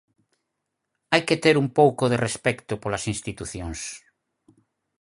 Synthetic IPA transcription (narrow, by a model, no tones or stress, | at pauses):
ajket̪eɾumpowkoðerespɛkt̪ʊpolasinst̪it̪uθjoŋs